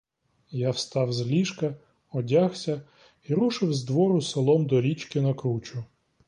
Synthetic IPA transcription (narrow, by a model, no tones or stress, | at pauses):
jawst̪ɑwzlʲiʃkɐ | ɔdʲaxsʲɐ | iɾuʃɪwzd̪ʋɔɾʊselˠɔmd̪ɔɾʲit͡ʃkɪnɐkɾut͡ʃʊ